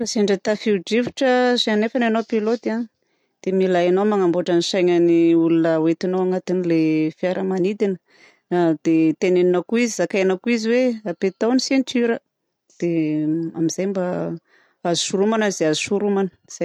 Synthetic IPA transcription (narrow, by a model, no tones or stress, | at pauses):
raseɳɖ͡ʐət̪afiuɖ͡ʐiviʈ͡ʂəsanefananowpilot̪an | d̪̥emilaanomaŋambuaʈ͡ʂəniʃajɲaniulunəwet̪inowaŋat̪inilefiaɾʔəmanid̪inə | d̪̥et̪eneninakuizizakajanakuiziweapet̪awnisent̪iɾə | d̪̥eamiz̥ajmba | azu̥suɾumanazeazusuɾumanə̥z̥aj